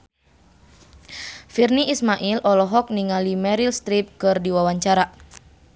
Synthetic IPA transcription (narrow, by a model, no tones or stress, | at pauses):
firniismaʔilʔɔlɔɦɔk̚niŋalimɛɾilst̪ɾip̚kɨrdiwawaɲt͡ʃaɾa